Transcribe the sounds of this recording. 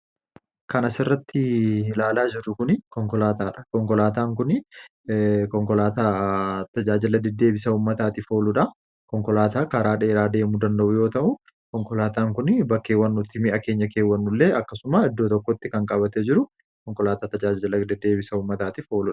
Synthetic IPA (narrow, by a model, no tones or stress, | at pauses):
kɐnɐsɪrːɐt̪ːɪlaːlaːd͡ʒɪɾʊkʊnɪkɔŋkɔlaːt̪aːᶑɐ̥kɔŋkɔlaːt̪aːŋk̬ʊnɪ | kɔŋkɔlaːt̪aːt̪ɐd͡ʒaːd͡ʒɪlɐd̪ɛd̪ːe̞ːbɪsɐuːmːɐt̪aːt̪ɪfo̞ːlʊᶑɐ | kɔŋkɔlaːt̪aːkaɾaːᶑeːɾaːd̪e̞ːmʊd̪ɐnd̪ɐʔʊjo̞ːt̪ɐʔʊ | kɔŋkɔlaːt̪aːŋkʊnbɐkːe̞ːwːɐnːʊt̪ːɪmɪʔɐke̞ːɲːɐke̞ːwːɐnːʊlːeːɐkːɐsʊmaɪd̪ːoːt̪ɔkːɔt̪ːɪkɐŋkʼɐbɐt̪ɛd͡ʒɪɾʊ | kɔŋkɔlaːt̪aːt̪ɐd͡ʒaːd͡ʒɪlɐd̪ɛd̪ːe̞ːbɪsɐuːmːɐt̪aːt̪ɪfo̞ːlʊᶑɐ̥